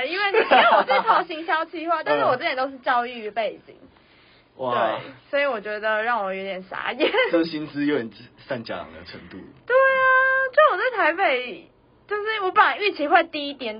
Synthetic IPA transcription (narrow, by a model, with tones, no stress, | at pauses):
i˥nwe˥˩ɪ˥we˥˨˩wɔ˨˩t͡s̩ʰ˥˩t̪ʰɑ˧˥ʊɕi˧˥ŋɕjɑ˥ʊt͡ɕʰi˧˥xwa˥˧t̪a˥˧nʂɻ̩˥˩wɔ˨˩ə˥˩jɛ˨˩nt̪o˥ʊʂ̬ɻ̩˥˩t͡ɕjɑ˥˧ʊy˥˩y˧˥pe˥˨˩ɪt͡ɕḭ˨˩˦ŋ | wʔawɪswɔ˧˥i˨wɔ˨˩t͡ɕɥɛ˧˥d̪ə˧ɻɑ˥˩ŋwɔ˨˩˦jɥɔ˧˥jɛ˨˩nsa̰˧˦jɛ˨˩˦nə˥˩˨ɕi˦˥nt͡sɹ̩˦jo˧˥jɛ˨˩nsa˥˧˩nt͡ɕja̰˥˩lɑ̰˨˩d̪ə̰˩ʈ͡ʂʰə˧˦ŋt̪ṵ˥˩t̪we˥˩ɪa˨so˥˩wɔ˨˩t͡sə˥˩ɪt̪ʰa˧˥ɪpe˨˩ɪ | t͡ɕjo˥˧ʊʂɻ̩˥˩wɔ˧˥pə˨n˨y˥˩t͡ɕʰi˧˥xwe˥˧ɪt̪i˥i˦˥t̪jɛ˨˥˦n